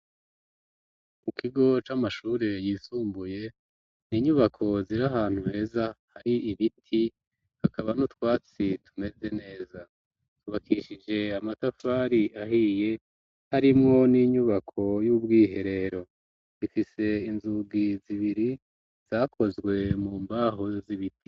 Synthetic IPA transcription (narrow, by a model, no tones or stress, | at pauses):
mukiɡo̞t͡ʃamaʃuːɾe̞jiːsuːmbuje̞ | niːɲuβakʰo̞ziɾaɦaːn̥huhe̞ːzahaɾiiβitʰi | hakaβanutwaːt͡situ̥me̞ze̞ne̞ːza | tuβakʰiʃid͡ʒe̞amatafaːɾiaɦije̞ | haɾimŋo̞niːɲuβakʰo̞jubɡiːɦe̞ɾe̞ɾo̞ | zifise̞inzuɡiziβiɾi | z̥akʰo̞zɡwe̞muːmbaɦo̞ziβitʰi̥